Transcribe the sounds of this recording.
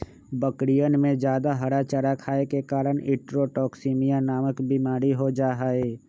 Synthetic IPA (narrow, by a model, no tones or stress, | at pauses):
bəkɽijənmẽd͡ʒjaːd̪aɦəɽat͡ʃəɾakʰaːekekaːɾəñɪʈɾoʈɔːksiːmijanaːməkbimaːɾiɦod͡ʒaːɦaːeː